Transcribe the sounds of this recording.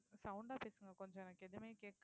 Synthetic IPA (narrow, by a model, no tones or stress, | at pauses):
sɐʊɳɖaːpeːsɯŋɡɐkɔɲd͡ʒɔ̃ɛnɐkːeðɯmeːkeːʈ̚k